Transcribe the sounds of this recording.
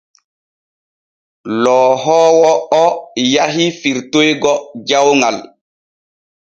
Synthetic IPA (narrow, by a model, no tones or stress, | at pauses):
lɔːɦɔːwɔɔjaɦifiɾtojɡɔd͡ʒawŋal